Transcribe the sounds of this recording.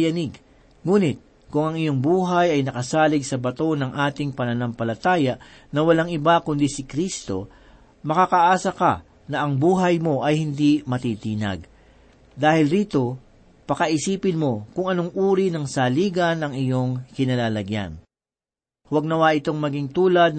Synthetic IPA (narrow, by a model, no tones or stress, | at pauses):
jɐnɪɡ | ŋuːnɪt̪̚ | kʊŋɐŋɪjo̞ŋbuːɦɐjɐjnɐkɐsaːlɪɡsɐbɐt̪o̞nɐŋʔaːt̪ɪŋpɐnɐnɐmpɐlɐt̪aːjɐʔ | nɐwɐlaŋɪbakʊnd̪isɪkɾist̪o̞̰ | mɐkakɐʔaːsɐkɐ̰ | nɐʔɐŋbuːɦɐjmo̞ʔɐjhɪnd̪imɐt̪iːt̪iːnɐ̰ɡ̚ | d̪aːhɪlɾiːt̪o̞ | pɐkɐʔɪsiːpɪnmo̞kʊŋɐno̞ŋʔuːɾinɐŋsaliːɡɐnɐŋɪjo̞ŋkɪnɐlaːlɐɡja̰n | wɐɡ̚nɐwaːʔɪt̪o̞ŋmɐɡiŋt̪uːlɐd̪̚